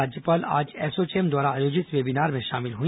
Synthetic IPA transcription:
aːd͡ʒjəpaːla̰ːd͡ʒɛːsot͡ʃeːmd̪waːɾaːjoːd͡ʒɪsʋeːbinaːɾmẽʃaːmɪlɦuĩ

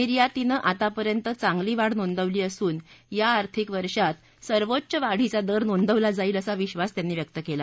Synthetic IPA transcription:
iɾjat̪inəʔat̪apəɾjənt̪ət͡saŋɡliːʋaɽnond̪əʋliːəsuːnjaːɾt̪ʰikʋəɾʂat̪ | səɾʋotːt͡ɕəʋaɽ̤it͡sad̪əɾnond̪əʋlad͡zaiːləsaʋiɕʋast̪janːiːʋjək̚t̪əkela

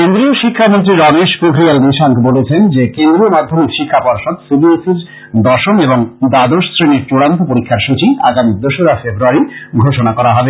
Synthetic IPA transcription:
kend̪ɾioʃikʰːamont̪ɾiɾɔneʃpoɡʱɾialniʃaŋkbolet͡ɕʰend͡ʑekend̪ɾiomad̪ʱːomiʃikʰːapɔɾʃod̪sibiesiɾ | d̪ɔɾʃoneboŋd̪ad̪oʃsɾeniɾt͡ɕuɽant̪opoɾikʰːaɾʃut͡ɕiaɡamid̪oʃoɾafebɾuaɾiɡʱoʃonakɔɾaɦɔbe

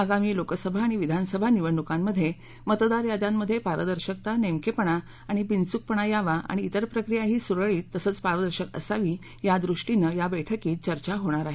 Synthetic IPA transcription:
əɡamiːlokəsəbʱaːɽ̃iʋid̪ʱansəbʱaniʋəɳːukamːəd̪ʱːje | mət̪d̪aɾjad̪ãmːəd̪ʱːjepaɾəd̪əɾɕək̚t̪anemkepəɳ̃a | aɽ̃ibint͡suk̚pəɳ̃ajaʋaʔa̰ɽ̃iːt̪əɾpɾəkɾijaɦiːsuɾəɭiːt̪ːəsəːt͡spaɾʋəd̪əɾɕəkə̰saʋiː | jad̪ɾuʂʈinəjabɛʈʰəkiːt͡ɕəɾt͡ɕaɦoɽ̃aɾaɦe

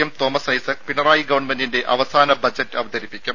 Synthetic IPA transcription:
ɐmt̪o̞ːmɐsɐjsɐkpinɐraːjiɡɐʋɐɳmendinde̞ʔɐʋɐsaːnɐbɐd͡ʑɐtːɨɐʋɐd̪ɐɾipːikʲːum

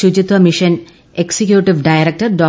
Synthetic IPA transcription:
ud͡ʑit̪ʋɐmiʂɐn | eksekjuʈːiʋɖɐjɐɾɐk̚ʈɐrɖoː

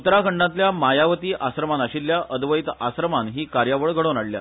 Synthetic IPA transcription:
ut̪ɾakʰəɳɖãt̪ljamajaʋət̪iːʔʔasɾəmanaɕilːjaʔʔəd̪ʋəjt̪asɾəmanɦiːkaɾjaʋəɭɡʱəɽonaɽlja̰

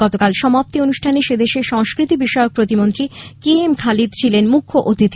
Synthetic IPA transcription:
ɔt̪okalʃɔmap̚t̪ionuʃʈʰaneʃed̪eʃeʃɔŋskɾit̪ibiʃɔeok̚pɾot̪imont̪ɾikeemkʰalid̪̚t͡ɕʰilenmukʰːoʔot̪it̪ʰ

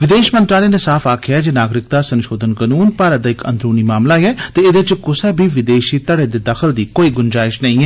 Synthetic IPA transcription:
ʋɪd̪eːʃmə̃nt̪ɾaːleːneːsaːfʰaːkʰɪjaːd͡ʒeːnaːɡɾɪk̚d̪aːsənʃoːd̪ənkənuːnpaːɾət̪̚d̪aːɪkə̰̃nd̪ɾuːniːmaːmlaːeɛːt̪eːed̪ɪt͡ʃkʊsɛːbʱiːʋɪd̪eːʃiːt̪əɽeːd̪eːd̪əkʰəld̪iːkoːiːɡʊnd͡ʒaːɪʃnəĩːɦɛː

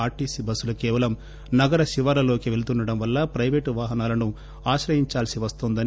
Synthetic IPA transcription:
aːɾʈisibɐsulɐkɛːʋɐlɐm | nɐɡɐɾɐʃiʋɐɾɐlo̞ːkiʋe̞lut̪unɖɐɽɐmʋɐlːɐpɾɐjʋeːʈʋaːɦɐnaːlɐnu | aːʃɾɐjiɲt͡ʃaːlsiʋɐst̪ond̪ɐni

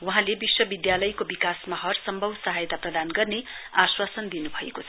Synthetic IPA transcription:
wuɦãlebiswʌbid̪jalʌjkobikasmaɦʌrsʌmbʱʌbsʌɦajt̪aprʌd̪anɡʌrneaswasʌnd̪inubʱʌḛkot͡sʰʌ

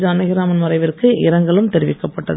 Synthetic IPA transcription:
d͡ʒɯɐnɐɣɪɾaːmɐnmɐɾɐɪʋɪrkɯʔɪɾɐŋɡɐɭɯmt̪ɛɾɪʋɪkːɐpːɐʈːɐð

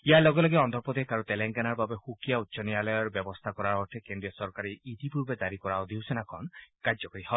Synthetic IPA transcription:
ialɔɡɔlɔɡiɔnd̪ʱɔɾpɔd̪ekaɾut̪eleŋɡanaɾbabehukijautːʃɔnialɔjɔɾbjɔbɔst̪ʰakɔɾaɾɔʈʰekeɳɖiɔsɔɾkaɾiid̪ipuɾbed͡ʒaɾikɔɾaod̪iwsenakʰɔnkaɾd͡ʒɔkɔɾihɔ

